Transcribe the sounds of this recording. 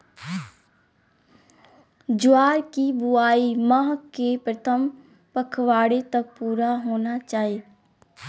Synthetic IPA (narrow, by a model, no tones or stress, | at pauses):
d͡ʒʊaːɾkibuaːimaɦkepɾət̪ʰəm | pəkʰʋaːɽet̪ɐk̚puːɾaɦoːnat͡ʃaːɦi